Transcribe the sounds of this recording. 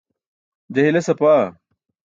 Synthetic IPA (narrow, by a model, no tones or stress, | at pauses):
d͡ʑɐɦilɐsɐpaː